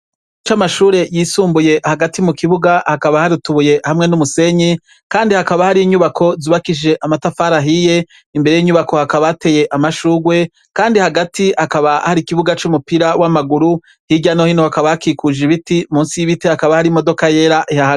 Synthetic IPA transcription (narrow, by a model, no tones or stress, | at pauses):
t͡ʃamaʃuːɾe̞jiːsuːmbuje̞haɡatimukiβuɡahakaβahaɾutuβuje̞hamŋe̞numuse̞ɲi | kaːndihakaβahaɾiiɲuβakʰo̞zuβakid͡ʒe̞ʔamatafaːɾaɦije̞ | imbe̞ɾe̞jiɲuβako̞hakaβate̞je̞ʔamaʃuːɡwe̞ | kaːndihaɡatiakaβahaɾikiβuɡat͡ʃumupiɾawamaɡuɾu | hiɟano̞hinohakaβahakikud͡ʒiβitimuːnsijiβitehakaβahaɾimo̞do̞kaje̞ːɾaʔihaha